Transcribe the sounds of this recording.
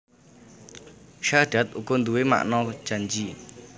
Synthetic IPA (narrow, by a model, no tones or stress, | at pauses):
ʃaɖ̥a̤t̪̚ʔukʊnd̪uwema̰ʔnɔ̥d͡ʒ̥and͡ʒi